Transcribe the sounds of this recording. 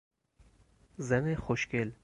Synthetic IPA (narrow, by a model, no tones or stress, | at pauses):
zænexoʃkel